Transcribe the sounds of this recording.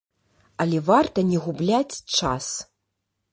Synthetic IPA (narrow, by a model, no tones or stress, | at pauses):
ɐlʲɛvart̪ɐnʲɛɣublʲat͡sʲt͡ʂa̰s